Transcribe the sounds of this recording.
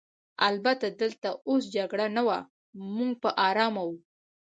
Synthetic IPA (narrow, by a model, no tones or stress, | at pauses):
albat̪ad̪əlt̪aosd͡ʒaɡɽanawa | muŋɡ̚pəʔɑɾɑmawu